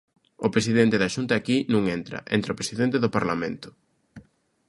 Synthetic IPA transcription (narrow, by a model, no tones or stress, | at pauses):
ʊpɾesiðent̪eðaʃunt̪ɐaːkinũŋent̪ɾɐ̰ʔḛnt̪ɾɐʊpɾesiðent̪eðʊpaɾlamḛ̃nt̪ʊ̥